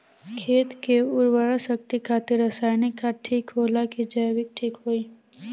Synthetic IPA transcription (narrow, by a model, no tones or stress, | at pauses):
kʰeːt̪keʊɾwəɽasəkt̪ikʰaːt̪iɾəsaːjnekaʈʰiːkɦoːlakid͡ʒəjʋɪk̚ʈʰiːkɦoːiː